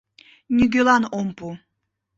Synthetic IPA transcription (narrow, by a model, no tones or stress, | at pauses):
nʲyɡʲølɑnompu